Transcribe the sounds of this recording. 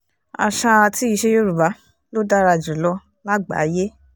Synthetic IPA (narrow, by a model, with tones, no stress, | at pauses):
a̰˨ʃa˧ti˦i˧ʃe˦jo˦ɾu˨ba˨˦ | lo˦da˦ɾa˧˨d͡ʒũ˨lɔ˧ | la˦ɡ͡ba̰˨˦je˦